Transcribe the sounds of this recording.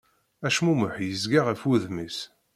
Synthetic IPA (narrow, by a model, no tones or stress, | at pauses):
æʃmumʊħjəzɡaʁəfuðmis